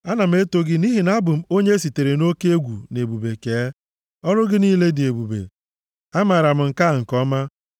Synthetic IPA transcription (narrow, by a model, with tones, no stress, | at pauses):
a˦na˨m̩˦e˦to˦ɡɪ˦ni˦ɦi˨na˦bʊ˨m̩˦o˦ɲe˦si˨te˨ɾe˨no˦ke˦e˦ɡʷu˨ne˨bu˨be˨keː˨˦ | ɔ˦ɾʊ˦ɡɪ˦niː˦le˦dɪ˨e˨bu˨bḛ˨ | a˦ma˨ɾa˨m̩˨ŋ̩˨ka˦˨ŋ̩˨kɔ˦ma˦